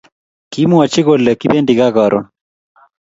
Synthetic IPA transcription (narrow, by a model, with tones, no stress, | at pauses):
ki˦mwɔ˨t͡ʃi˦ɣo˨lɛ˨ki˦be˦ndi˨ɣa˦ɣɔ˨ɾʔɔ̰˨